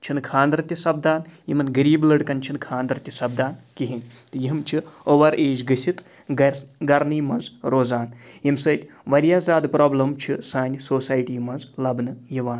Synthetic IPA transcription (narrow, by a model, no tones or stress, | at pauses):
t͡ʃʰinkʰãːnd̪ɾɐt̪ʲisɐb̚d̪aːnjimɐnɡiɾiːblɐɖkɐnt͡ʃʰinkʰãːnd̪ɾɐt̪ʲisɐb̚d̪aːnkiɦinʲt̪ɨjiɦimt͡ʃʰioʋɐɾʔeːd͡ʒɡɨsʲit̪ | ɡɐɾniːmɐnzɾoːzaːnjimsɐt̪ʲ | ʋɐɾjaːzaːd̪pɾoːblɐmt͡ʃʰisaːnʲsoːsaːjʈiːmɐnzlɐbnɨjiʋaːn